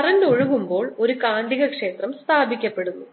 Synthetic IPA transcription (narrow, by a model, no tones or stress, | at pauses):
ɐrɐndoɻuɣumbo̞ːɭo̞ɾukaːɳɖiɣɐkʂe̞ːt̪rɐmst̪ʰaːbʱikʲːɐpːe̞ɽunːu